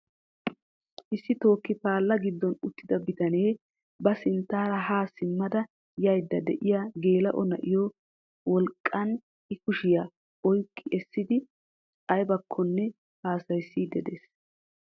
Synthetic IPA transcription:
ʔɪsːɪt̪o̞ːkːɪpaːlːɐɡɪd̪ːɔnʊt̪ːɪd̪ɐbɪt̪ɐne̞ː | bɐsɪnt̪ːaːɾɐɦaːsɪmːɐd̪ɐ | jɐjd̪ːɐd̪ɛʔɪjaːɡe̞ːlɐ̰ʔɔnɐ̰ʔɪjɔ | wɔlkʼːɐn | ɪkʊʃɪja | ɔjkʼːɪʔɛsːɪd̪ɪ | ɐjbɐkʰːɔnːɛ | haːsɐjsːid̪ɛd̪eːs

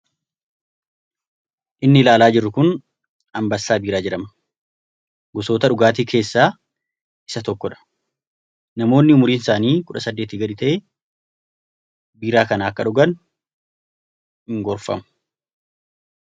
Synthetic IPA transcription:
ʔɪnːɪlaːlaːd͡ʒɪrːʊkʊn | ɐmbɐsːaːbiːɾaːd͡ʒɪɾɐmɐ̥ | ɡʊso̞ːt̪ɐᶑʊɡaːt̪iːkʰe̞ːsːaː | ɪ̥sɐt̪ɔkːɔᶑɐ̥ | nɐmo̞ːnːɪʊmʊɾiːnɪsaːniːkʊᶑɐsɐd̪ːe̞ːt̪iɡɐᶑɪt̪ɐʔeː | biːɾaːkɐnaɐkːɐᶑʊɡɐn | hɪŋɡɔɾfɐ̰mʊ̥

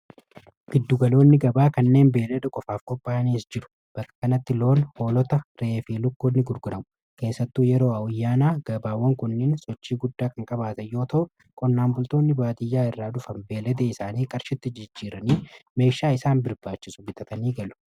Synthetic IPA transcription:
ɡ̥ɪd̪ːʊɡɐlo̞ːnːɪɡɐbaːkɐnːe̞ːnbe̞ːlɛd̪ɛkʼɔfaːfkʼɔpʼːaːɐniːsd͡ʒɪɾʊ̥ | b̥ɐkʼːɐ̥kɐnɐt̪ːɪlo̞ːnho̞ːlɔt̪ɐɾeefiːlʊkːɔnːɪɡʊɾɡʊdɐmʊ̥ | ke̞ːsːɐt̪ːuːjɛɾo̞ːɐwʊjːaːnaːɡ̥ɐbaːwːɐŋkʊnːeːnsɔt͡ʃːiːɡʊd̪ːaːkɐŋkʼɐbaːt̪ɐjo̞ːt̪ɐʔʊ | kʼɔnːaːmbʊlt̪oːnːɪbaːt̪ɪjːaːɪrːaːd̪ʊfɐnbe̞ːlɛd̪eːɪsaːniːkʼɐɾʃɪt̪ːɪd͡ʒɪd͡ʒːiːɾɐniːme̞ːʃaːɪsaːnbɪɾbaːt͡ʃːɪsʊbɪt̪ʼɐt̪ɐniːɡɐlʊ̥

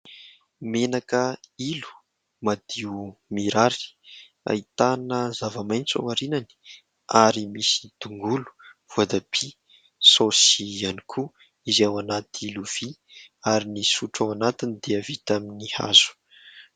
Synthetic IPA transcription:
menakəilu̥ | mad̪iumiɾaɾi̥ | a̰it̪anəzavamajnt͡sa̰waɾinani̥ | aɾimisi̥d̪̥uŋɡulu̥ | v̥uad̪ab̥i | sosianikʰu | izawanat̪iiluv̥iaɾinisuʈ͡ʂawanat̪inid̪̥eəvit̪aminiha̰z̥u̥

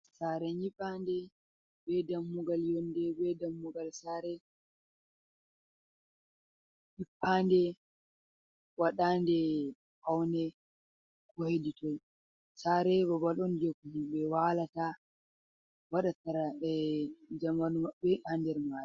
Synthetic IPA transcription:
saːɾɛɲiɓandɛ | bɛdamːuɡaljɔndɛbɛdamːuɡalsaɾɛ | ʔipːaːndɛ | waɗaːndɛ | kawnɛ | kɔheditɔj | saɾɛbɔbalɔndɛkumuɓɛwaːlata | waɗataɾa | d͡ʒamanumaɓɛhandɛɾmaːɗi

